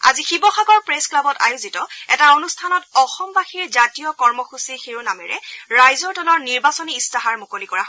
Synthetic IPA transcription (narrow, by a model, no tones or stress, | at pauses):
a̰zixibɔxaɡɔɹpɹesklabɔta̰juzitɔɛtaonustʰanɔtɔxɔmbaxiɹzatijɔkɔɹmɔxusixeɹunamɛ̰ɹɛ̰ɹajzɔɹtɔlɔɹniɹbasɔniːstaɦaɹmokolikɔɹaɦɔ